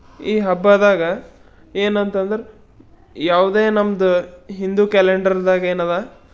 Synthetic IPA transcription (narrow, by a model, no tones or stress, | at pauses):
iːɦɐbːaːd̪aːɡɐ | eːnɐnt̪ɐnd̪ɐɾe | jaːʋd̪e̞ːnɐmɐd̪uɦind̪ukɛleɳɖɐɾd̪aːɡɐeːnɐðaː